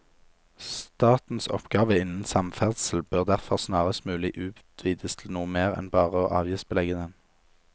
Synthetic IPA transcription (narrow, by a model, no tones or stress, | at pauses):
st̪ɑːt̪n̩sɔ̰pɡɑːʋəɪnn̩sɑmfæʁd̪sl̩bøʁd̪æʁfɔʁsnɑːʁəst̪mʉːlɪʔʉːt̪ʰʋiːd̪əst̪ʰl̩nuːəmeːʁɛ̰nbɑːʁəoːʔɑ̰ːʋjiːsbəlɛɡənən